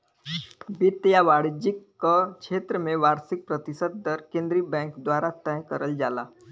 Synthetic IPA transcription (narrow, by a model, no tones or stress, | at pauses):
bit̪jaʋaːɽd͡ʒɪkːəkʃeːt̪ɾəmẽʋaːɾsɪk̚pɾət̪ɪsəd̪̚d̪əɾkẽːnd̪ɾibɛ̃ŋkd̪waːɾat̪ə̃jkəɾəld͡ʒaːlaː